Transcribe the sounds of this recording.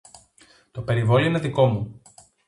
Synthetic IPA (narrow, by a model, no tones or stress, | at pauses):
t̪o̞pe̞ɾivoloineðiko̞mu